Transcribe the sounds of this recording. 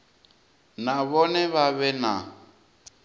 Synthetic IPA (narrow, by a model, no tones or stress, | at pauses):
naβɔnɛβaβɛna